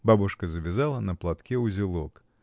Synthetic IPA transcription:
babʊʂkəzəbʲɪzalˠənəplˠat̪kʲɛʊzʲɪlˠok

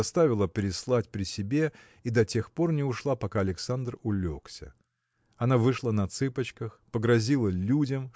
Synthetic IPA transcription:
ɐst̪avʲɪlˠəpʲɾʲɪslˠatʲpɾʲɪsʲɪbʲe̞ | id̪ɐtʲe̞xpo̞rnʲɪʊʂlˠapɐkaɐlʲɪksand̪rʊlʲo̞ksʲə̰ | ɐnavɨʂlˠanɐt̪sɨpət͡ɕkəxpəɡɾɐzʲilˠəlʲudʲəm

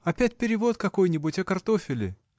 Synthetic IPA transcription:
ɐpʲæt̚ʲpʲɪɾʲɪvo̞t̪̚kɐko̞jnʲɪbʊtʲɐkɐrt̪o̞fʲɪlʲɪ̰

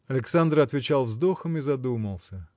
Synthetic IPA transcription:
ɐlʲɪksand̪rɐt̪vʲɪt͡ɕalˠvzd̪o̞xəmɨzɐd̪uməlˠsʲə

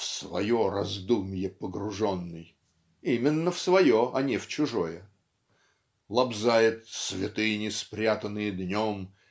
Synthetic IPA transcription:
fsvɐ̰jorɐzd̪umʲjɪpəɡɾʊʐonːɨj | imʲɪnːəfsvɐjoʔɐnʲɪft͡ɕʊʐo̞jə | lˠɐbzajɪt̪svʲɪt̪ɨjənʲɪspɾʲat̪ənɨjəd̪nʲom

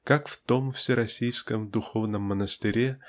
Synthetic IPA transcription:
kakft̪o̞mfsʲɪɾɐsʲijskəmd̪ʊxo̞vnəmːənəst̪ɨɾʲe

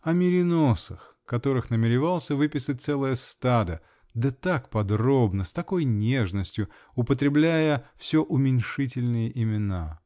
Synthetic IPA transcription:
ɐmʲɪɾʲɪno̞səx | kɐt̪o̞ɾɨxnəmʲɪɾʲɪvalˠsʲəvɨpʲɪsɨt̚ʲt̪sɛlˠəjəst̪ad̪ə | d̪ət̪akpɐd̪ro̞bnəst̪ɐko̞jnʲeʐnəsʲtʲjʊ | ʊpət̪̬ɾʲɪblʲæjəfsʲoʔʊmʲɪnʲʂɨt̬ʲɪlʲnɨjəʔɪmʲɪna̰

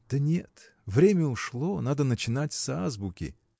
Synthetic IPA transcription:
d̪̥ənʲḛt̪ | vɾʲemʲəʊʂlˠonad̪ənət͡ɕɪnatʲsazbʊkʲɪ̰

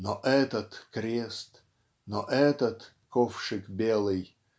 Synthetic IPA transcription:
nɔʔɛt̪ət̪kɾʲest̪ | nɔʔɛt̪ət̪ | kofʂɨkbʲelˠɨj

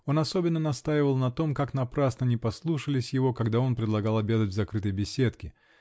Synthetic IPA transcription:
o̞nɐso̞bʲɪnːənɐst̪ajɪvəlˠnɐt̪o̞mkaknɐpɾasnənʲɪpɐslˠuʂəlʲɪsʲjɪvo̞kɐɡd̪ao̞npɾʲɪd̪lˠɐɡalˠɐbʲed̪ətʲvʲzɐkɾɨt̪əjbʲɪsʲet̪kʲɪ

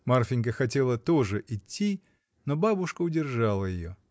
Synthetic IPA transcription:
marfʲɪnʲk̬əxɐtʲelˠət̪oʐɨʔɪtʲːi | nobabʊʂkəʊdʲɪrʐalˠəjɪjo̰

